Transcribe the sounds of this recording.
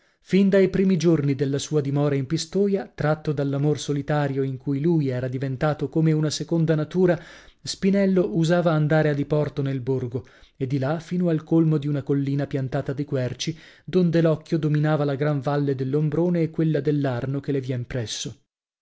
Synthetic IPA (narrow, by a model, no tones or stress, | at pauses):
find̪ajpɾiːmid͡ʒornid̪elːasuːad̪imɔːɾaimpist̪oːjat̪ɾat̪ːod̪alːamorsolit̪aːɾjoiŋkujlujɛːɾad̪ivent̪aːt̪okomeunasekond̪anat̪uːɾaspinɛlːoʔuzaːvaːnd̪aːɾead̪ipɔrt̪onelborɡo | ed̪ːilafiːnoalkolmod̪iunakolːiːnapjant̪aːt̪ad̪ikwɛrt͡ʃi | d̪ond̪elɔkːjod̪ominaːvalaɡɾaɱvalːed̪elːombɾoːneːkːwelːad̪elːarnokelevjɛmpɾɛsːo